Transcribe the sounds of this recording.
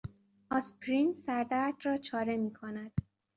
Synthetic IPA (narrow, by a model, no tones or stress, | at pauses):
ɒspʰɾint̪sæɾd̪æɾd̪rɒːt͡ʃʰɒːɾe̞miːkʰonæd̪̥